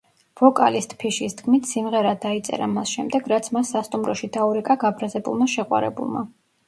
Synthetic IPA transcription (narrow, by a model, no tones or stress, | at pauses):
v̥ɔkʼa̰list̪ʼʰpʰiʃisd̪kʰmit̪ʰsimʁɛɾad̪ait̪sʼɛ̰ɾamasʃɛmd̪ɛɡɾat̪sʰmasːast̪ʼumɾɔʃid̪auɾɛkʼaɡabɾazɛbṵlˠmaʃɛqʼwa̰ɾɛ̰bṵlˠma̰